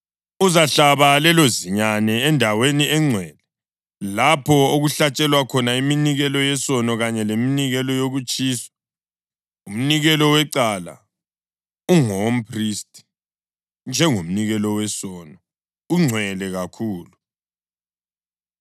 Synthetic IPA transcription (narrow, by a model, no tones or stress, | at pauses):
uzaɬaβalɛloziɲanɛːndʱaweniɛŋ͡ǀʱwɛlɛ | lapʰɔoɣuɬat͡ʃʼɛlwakʰɔnaiminiɣɛlɔjɛsɔnɔɣaɲɛleminiɣɛlɔjoɣut͡ʃʼiːsḁ | um̩niɣɛlɔwɛǀala̰ | uŋom̩pʰristʼi̥ | nd͡ʒʱɛŋom̩niɣɛlɔwɛsɔnɔ | uŋ͡ǀʱwɛlɛɣakʰuːlu